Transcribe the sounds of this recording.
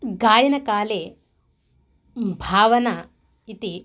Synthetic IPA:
ɡaːjinɐkaːleː | bʱaːʋɐnɐ | it̪i

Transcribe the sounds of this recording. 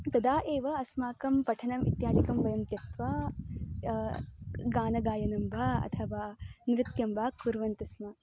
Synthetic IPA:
t̪ɐd̪aːʔeːʋɐɐsmaːkɐmpɐʈʰɐnɐmḭt̪jaːd̪ikɐmʋɐɾɐnt̪jɐt̪ʋaː | ɡaːnɐɡaːjɐnɐmbʱaɐ̰t̪ʰɐʋaːnɾɪt̪jɐmbʱaːkuɾʋɐnt̪ɐsma

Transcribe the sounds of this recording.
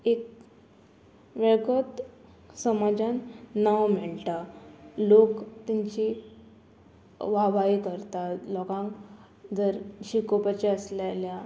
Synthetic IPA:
ek | ʋeɭkət̪ | səmad͡ʑannːawm̤eɭʈ̪alokt̪iɲt͡ɕi | ʋaʋaikəɾt̪alɔɡãŋk | d͡zəɾɕikopat͡ɕeəsljalja

